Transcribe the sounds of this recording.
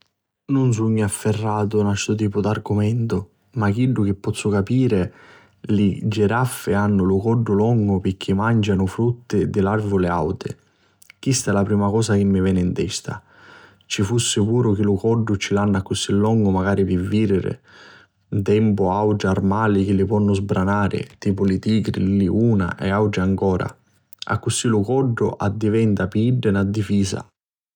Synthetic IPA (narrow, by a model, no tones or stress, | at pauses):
nʊns̬uɲːiafːɪrːaːt̪ʊnast̪ʊt̪̬iːpʊd̪arɡʊmɛnt̪ʊ | mak̟iɖːʊk̟ɪpːɔt̪sːʊkapiːɾɪ | lɪd͡ʒːɪɾafːɪanːʊlʊkɔɖːʊlɔŋɡʊpɪk̟ʰːɪmand͡ʒanʊfɾut̪ːɪd̪ɪlarvʊlɪa̰wt̪ɪ̰ | k̟ist̪ɛlapɾiːmakɔːsak̟ɪmːɪvɛːnɪnt̪ɛst̪a̰ | t͡ʃifusːɪpuːɾʊk̟ɪlʊkɔɖːʊt͡ʃilanːakːʊsilːɔŋɡʊmaɡaːɾipɪvːiːɾɪɾɪ̰ | nt̪ɛmpʊawʈɪarmaːlik̟ɪlːɪpwɔnːʊzbɾanaːɾɪ̰t̪iːpʊlɪt̪iːɡɾḭliuːna̰ʔɛawʈɪaŋkɔːɾa̰ | a̰kːʊsilʊkɔɖːʊʔad̪ːivɛnt̪apiiɖːɪnad̪ːifiːsa̰